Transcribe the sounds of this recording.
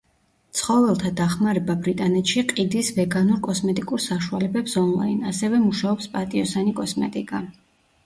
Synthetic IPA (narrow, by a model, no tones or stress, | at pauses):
t̪sʰχɔvɛlˠt̪ʰad̪aχmaɾɛbabɾit̪ʼanɛt̪ʃiqʼid̪isvɛɡanuɾkʼɔsmɛt̪ʼikʼuɾsaʃua̰lɛbɛpsɔnlˠa̰inasɛvɛmuʃaɔpspʼat̪ʼiɔsanikʼɔsmɛ̰t̪ʼikʼa